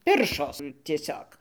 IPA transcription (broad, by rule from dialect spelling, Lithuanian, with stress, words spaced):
ˈpʲɪrʃoːs tʲiɛˈsʲoːk